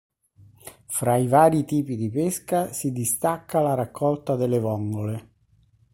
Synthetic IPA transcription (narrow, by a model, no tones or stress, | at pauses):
fɾaivaːɾit̪iːpid̪ipeskasid̪ist̪akʰːalaɾakʰːɔlt̪ad̪elevɔŋɡole